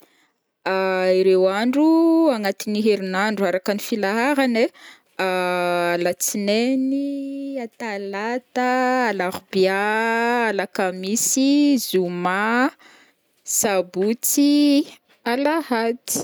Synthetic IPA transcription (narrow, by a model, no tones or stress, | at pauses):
aiɾewaɳɖ͡ʐuaŋat̪iniɦeɾinaɳɖ͡ʐuaɾakanifilaɦaɾane | aalat͡sineniat̪alat̪aːlaʁbiaalakamisizuma | sabut͡si | alahati̥